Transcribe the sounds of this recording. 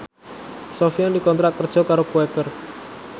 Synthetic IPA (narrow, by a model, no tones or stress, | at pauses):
sɔfiandikɔnt̪ɾat̪̚kərd̥ʒ̥ɔ̤kaɾokuɛkər